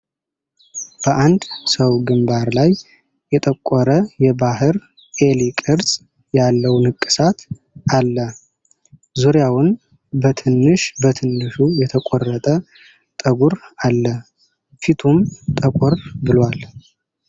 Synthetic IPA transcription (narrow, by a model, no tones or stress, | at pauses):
b̥əʔand̪səwɡɨmbaɾlaj | jɛt̪ʼəkʷʼːɔɾəjɛbahɨɾ | ʔe̞likʼɨɾsʼ | jalːəwnɨkʼːɨ̥sat̪ | alːə | zuɾjawʊn | bət̪ʰɨnːɨʃbət̪ʰɨnːɨʃujɛt̪ʰəkʷʼɔrːət̪ʼə | t̪ʼəɡuɾalːə | fit̪ʰumt̪ʼəkʼɔrbɨlwal